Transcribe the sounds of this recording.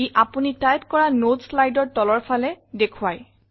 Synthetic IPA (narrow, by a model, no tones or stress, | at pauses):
iʔapunitajtkɔɹanotslajdɔɹtɔlɔɹpʰalɛdekʰʊwaj